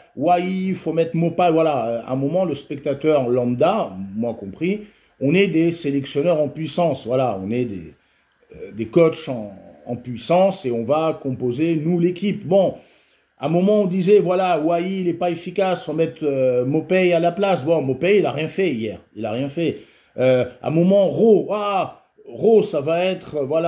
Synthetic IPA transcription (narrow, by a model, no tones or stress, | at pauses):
waifomɛt̪χmɔpavwalaøɛ̰̃mɔmɑ̃ləspɛk̚t̪at̪œʁlɑ̃d̪amwɛ̃kɔ̃pχi | ɔ̃nɛd̪eselɛksjɔnœʁɑ̃pɥisɑ̃svwalaɔ̰̃nɛd̪ḛ | d̪ekɔt͡ʃɑ̃ɑ̰̃pɥisɑ̃seɔ̃vakɔ̃pozenulekʲipbɔ̃ | ɛ̃mɔmɑ̃ɔ̃d̪izɛvwalawajiːlɛpaefikʲasɔ̃mɛt̪ømɔpɛalaplasbɔ̃mɔpɛilaʁjɛ̃fɛijɛ̰ːʁila̰ʁjɛ̃fɛ | øã̰mɔmɑ̃ʁoa | ʁosavaɛt̪χvwala